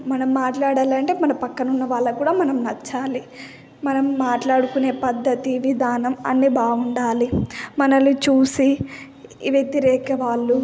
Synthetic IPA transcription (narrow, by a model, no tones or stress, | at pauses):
mɐnɐmːaːʈlaːɽaːlɐɳʈe̞ːmɐnɐpɐkːɐnunːɐʋaːɭːɐkuːɽaːmɐnɐmnɐt͡ʃːaːli | mɐnɐmːaːʈlaːɽukune̞ːpɐd̪ːɐt̪iʋid̪ʱaːnɐmɐ̰nːiːbaːɡuɳɖaːlimɐnɐlut͡ʃuːsi | ʋjet̪iɾɛːkɐʋaːɭːu